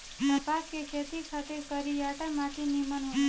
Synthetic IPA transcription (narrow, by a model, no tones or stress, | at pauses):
t̪əpakekʰet̪ikʰat̪ekəɾijaʈamaʈ̪iniməno